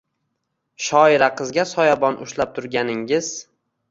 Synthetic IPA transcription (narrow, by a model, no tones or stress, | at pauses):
ʃɒɪɾaqʰɨzɡʲasɒjabɒnʊ̰ʃlap̚t̪ʰʊɾɡʲanɪŋɪz̥